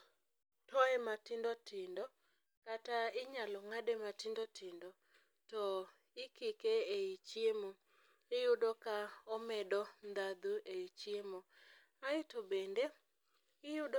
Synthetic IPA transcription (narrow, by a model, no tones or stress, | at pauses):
tɔɛmatɪndotʰɪndɔ | kataɪɲalɔŋadematɪndotɪndɔ | tɔ | ɪkikeeit͡ʃjemo | ɪjʊdokaɔmɛdɔnd̪ad̪uʔeit͡ʃjemo | aɪtobende | ɪjʊd